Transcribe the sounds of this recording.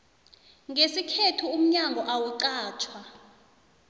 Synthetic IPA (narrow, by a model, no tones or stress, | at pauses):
ŋɡesikʰetʰuum̩ɲaŋɡʱɔʔawuǃaːt͡ʃʰwa